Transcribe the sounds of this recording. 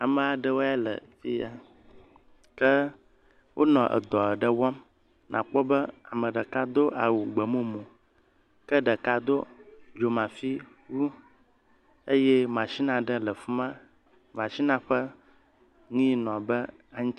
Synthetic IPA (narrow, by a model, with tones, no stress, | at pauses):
a˨mə̃˨a˨ɖə˦wo˦ɛ˦lə̰˨fḭ˦a˨ | kə˦ | wʔo˦nɔ̃˨ʔə̰˨d̪ɔ˨ə˨ɖə˦wɔ˦m | nʔã̰˨k͡pɔ˦bə˦a˨mə̃˨ɖə˨ka˦d̪o˦ʔa˨wu˨ɡ͡bə˨mõ˦mũ˨ | kə˦ɖə˨ka˦d̪o˦d͡ʒo˨mã˨fi˦ | wu˦ | e˦jɛ˦mã˨si˦nã˨ɖə˦lə˨fu˦mã˦ | m˨ã˨si˦nã˦ɸə˦ | ŋĩ˦nɔ̃˨bə˦ | a˦ɲ̃˦